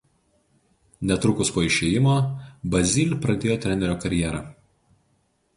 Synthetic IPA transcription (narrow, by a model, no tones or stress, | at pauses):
nʲɛt̪ɾʊkʊspoːɪʃʲeːjɪmoːbɐzʲɪlʲpɾɐd̪ʲeːjoːt̪ʲɾʲɛnʲɛɾʲoːkɐɾʲjɛːɾɐː